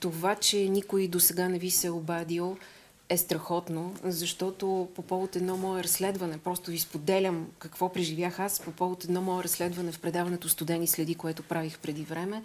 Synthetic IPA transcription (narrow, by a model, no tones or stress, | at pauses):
t̪ovat͡ʃɛnikʊid̪osɛɡanɛvisɛobad̪ilˠ | ɛst̪ɾɐxɔt̪nozɐʃt̪ɔt̪opopɔlˠot̪ɛd̪nɔmɔɛɾɐsːlɛd̪vənɛpɾɔst̪ʊvispod̪ɛlʲəmkəkvɔpɾiʒivʲjaxaspopɔlˠot̪ɛd̪nɔmɔɛɾɐslɛd̪vɐnɛfpɾɛd̪avɐnɛt̪ost̪ʊd̪ɛnislɛd̪ikoɛt̪ʊpɾavixpɾɛd̪ivɾɛmɛ